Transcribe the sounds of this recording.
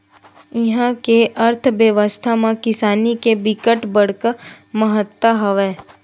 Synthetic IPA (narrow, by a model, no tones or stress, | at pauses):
ɪɦãkeʔəɾt̪ʰʋjəʋəst̪ʰamãkɪsaːnikebɪkəʈbəɽ̤kə | məɦət̪ːaɦəʋɛː